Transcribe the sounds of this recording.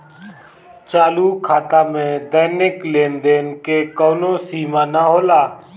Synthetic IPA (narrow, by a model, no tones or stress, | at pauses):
t͡ʃaːluːkʰaːt̪aːmẽːd̪əːnɪkleːnd̪eːnkeːkoːnõːsiːmãːnaːɦoːlaː